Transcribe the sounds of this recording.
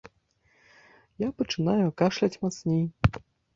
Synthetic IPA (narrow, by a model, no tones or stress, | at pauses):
japɐt͡ʂɨnajuakaʂlʲat͡sʲmat̪snʲej